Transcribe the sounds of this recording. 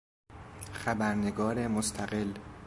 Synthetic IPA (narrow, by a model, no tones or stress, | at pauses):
xæbæɾneɡɒːɾemost̪ʰæɢel